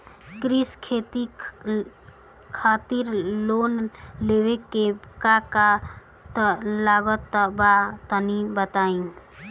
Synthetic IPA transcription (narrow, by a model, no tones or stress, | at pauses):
kɾiskʰet̪i | kʰat̪iɾlonlewekekaka | t̪labət̪ːəbat̪ənibət̪aĩ